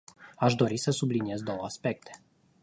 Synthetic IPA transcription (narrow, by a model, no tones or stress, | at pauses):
aʃd̪o̞ɾisəsublinie̞zd̪o̞wəaspe̞k̚t̪ʰe